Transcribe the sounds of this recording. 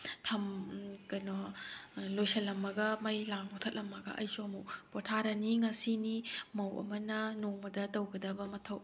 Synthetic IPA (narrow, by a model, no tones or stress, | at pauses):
tʰɐmkɐjnɔ | lojsɐlːɐmːɐɡɐmɐjlaŋbɔtʰɐt̚lɐmːɐɡɐ̰ʔɐjsuɐmukpɔtʰaɾɐniŋɐsinimɐwɐ̰mɐnɐnoŋmɐdɐtɐwɡɐdɐbɐmɐtʰɐw